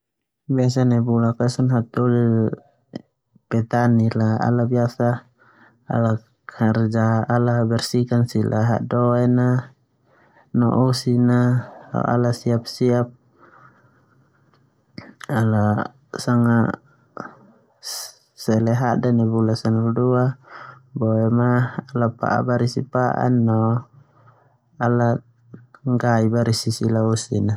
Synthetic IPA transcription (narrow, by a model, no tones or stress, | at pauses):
bias̬anɛbulakasɔnɦat̪ɔlil | pɛt̪anilaa̰labiasa̰ː | la | kʰard͡ʒaalabɛrsikansilʔa̰ɦa̰ʔdɔɛna | nɔ̰ʔɔsinaa̰ʔa̰lasiap̚siap̚ | ala | saŋa | sɛlɛɦaʔdanibulasanɔlduabɔɛmaalapa̰ʔa̰baɾisipaʔa̰nːɔ | ala | ŋɡaibaɾisisilausina